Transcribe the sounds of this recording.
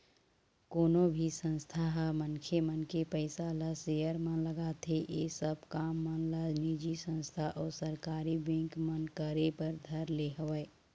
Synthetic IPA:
koːnobʱisə̃nst̪ʰaɦmənkʰemənkepəɪsaləsejəɾmə̃nləɡat̪eʔesəb̚ʱkaːmːə̃nlad͡ʒnid͡ʒisə̃nst̪ʰaʔɔːsəɾkaːɾibɛ̃ŋkmənkəɾepəɾd̪ʱəɾleɦəwəː

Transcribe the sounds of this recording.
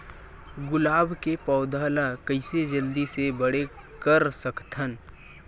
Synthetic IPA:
ɡʊlaːbʱkepɔʊd̪ʱaːlakəɪsed͡ʒəld̪isebəɽe | kəɾsəkt̪ʰən

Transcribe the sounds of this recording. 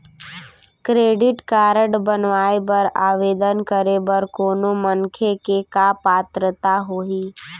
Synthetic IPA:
kɾeːɖɪʈkaːɾəɖbənʋaːebɐɾaːʋeːd̪ənkəɾebəɾkoːnoməŋkʰekekaːpaːt̪ɾət̪aɦoːɦiː

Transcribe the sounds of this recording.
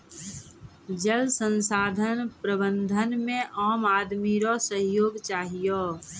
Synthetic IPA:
d͡ʒəlsə̃nsaːd̪ʱənpɾəbə̃nd̪ʱənmẽʔaːmaːd̪miɾɔsəɦjoːɡt͡ʃaːɦijo

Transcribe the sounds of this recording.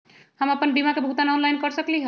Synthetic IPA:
həməpənbimakebʱut̪anɔnlajnkʌɾsəkliɦ

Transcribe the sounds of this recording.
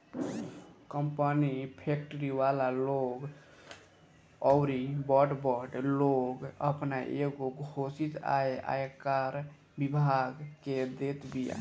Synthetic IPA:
kəmpənipʰek̚ʈəɾiwalaloɡ | ɔʊɾibɔʈbɔʈloɡəpnaʔeɡoɡʱosit̪a̰eʔa̰jkaɾ | bibʱaɡked̪et̪bija̰

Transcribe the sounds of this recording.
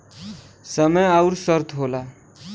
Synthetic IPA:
sʌmʌjawɾusʌɾt̪ʰɦola

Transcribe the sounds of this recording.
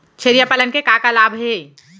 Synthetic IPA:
t͡ʃʰeɾijapələnkekakalaːbɦe

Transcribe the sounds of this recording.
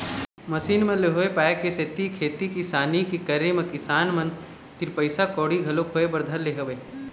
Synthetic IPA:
mɐsiːnmɐ̃leɦoːepaːjekeset̪ikʰeːt̪ikisaːnikikɐɾemɐ̃kɪsaːnmɐn | t̪iɾpɐɪsakɔːɽiɡʱɐlokʰoːebɐɾd̪ʱəlːeɦɐʋe

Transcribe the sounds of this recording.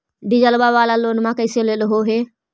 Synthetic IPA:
ɖɪd͡ʒəlbaːʋaːlaːloːnmãːkəɪseleɗɦoːɦeː

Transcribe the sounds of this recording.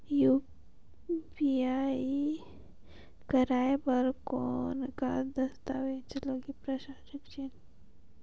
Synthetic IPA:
juː | piai | kəɾaːebəɾkɔːnka̰d̪ɐst̪aʋet͡ʃɐloɡipɾəʃaːʃəkt͡ʃin

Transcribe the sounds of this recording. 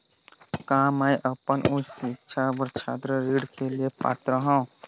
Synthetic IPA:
kaːməiʔəpənʔʊsikt͡ʃʰabəɾt͡ʃʰaːd̪ɾəɾiːɽkeliepa̰ːt̪ɾəɦə̃

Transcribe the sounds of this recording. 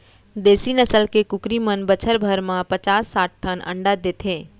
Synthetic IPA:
d̪eːsinəsəlkekʊkɾimənbət͡ʃʰəɾbʱəɾmãpət͡ʃaːsːaːʈ̚ʈʰːənʔə̰ɳɖad̪eːt̪ʰẽː

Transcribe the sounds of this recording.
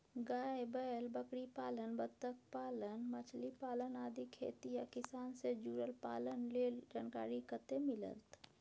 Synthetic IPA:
ɡaːebəlbəkɽipaːlənbət̪ːək̚paːlənmət͡ʃʰlipaːlənaːd̪ʱikʰḛːt̪ijakɪsaːnsed͡ʒuːɾəlpa̰ːlənleld͡ʒaːnka̰ːɾikət̪emɪlə̰lt̪

